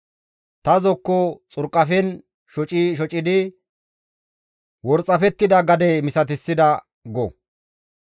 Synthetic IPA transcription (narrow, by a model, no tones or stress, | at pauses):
t̪ɐzɔkːɔt͡sʼʊɾkʼːɐfɛn | ʃɔt͡ʃʼiʃ̬ɔt͡ʃʼɪd̪ɪ | wɔɾt͡sʼːɐfɛt̪ːɪd̪ɐɡɐd̪ɛmɪsɐt̪̬ɪsːɪd̪ɐ | ɡɔ